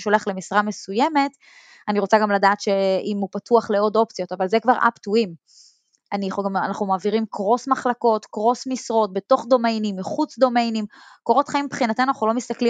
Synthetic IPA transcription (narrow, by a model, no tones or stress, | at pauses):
ʃoleaχle̞misʁame̞sujeme̞t | aniʁo̞t͡saɡamladaːtʃe̞imupatuaχleo̞do̞pt͡sijo̞tavalzekvaʁʔa̰pt̪uim | aniχanaχumaːviʁimkʁo̞smaχlako̞tkʁo̞smisʁo̞t̚be̞to̞χd̪o̞me̞jnimːiχut͡sd̪o̞me̞jnimkoʁo̞tχaimpχinat̪emnunaχulo̞mist̪akli